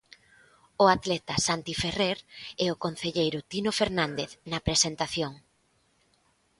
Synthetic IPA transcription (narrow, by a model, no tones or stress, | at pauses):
ʊat̪lɛt̪ɐsant̪ifereɾɛʊkon̟θeʎejɾʊt̪inofeɾnãnd̪eθnɐpɾesent̪aθjoŋ